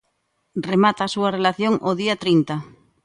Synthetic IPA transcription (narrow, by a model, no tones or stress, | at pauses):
remat̪aːsuarelaθjoŋʔoðiat̪ɾint̪a